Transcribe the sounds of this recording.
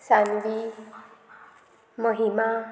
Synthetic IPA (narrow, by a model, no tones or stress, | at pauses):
sand̪i | mʌɦima